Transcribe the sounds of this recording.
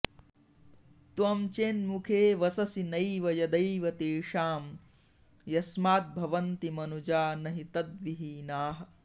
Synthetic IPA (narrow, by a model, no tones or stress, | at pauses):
t̪ʋɐmt͡ʃeːnmukʰeːʋɐsɐsinɐjʋɐjɐd̪ɐjʋɐt̪eːʂaːm | jɐsmaːt̪̚bʱɐʋɐnt̪imɐnud͡ʒaːnɐɦit̪ɐd̪ʋiɦiːnaːɦɐ̆